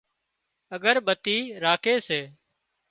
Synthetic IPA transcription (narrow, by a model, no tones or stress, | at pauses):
əɠəɾɓət̪iːɾaːkʰeːseː